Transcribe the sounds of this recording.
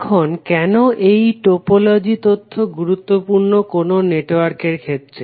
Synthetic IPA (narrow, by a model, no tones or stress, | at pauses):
kʰonkɛnoʔejʈopolod͡ʑit̪ot̪ʰːoɡuɾut̪ːopuɾnokononeʈoaɾkeɾkʰet̪ːɾe